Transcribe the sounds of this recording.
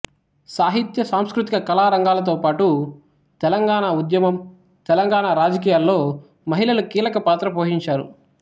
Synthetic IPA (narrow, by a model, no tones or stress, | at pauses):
saːɦit̪jɐsaːmskɾut̪ikɐkɐlaːɾɐŋɡaːlɐt̪̬o̞ːpaːʈu | t̪ɛlɐŋɡaːɳaud̪jɐmɐm | t̪ɛlɐŋɡaːɳaːɾaːd͡ʒɐk̬iːjaːlːo̞ː | mɐɦilɐlukiːlɐkɐpaːt̪ɾɐpoːɦiɲt͡ʃaːɾṵ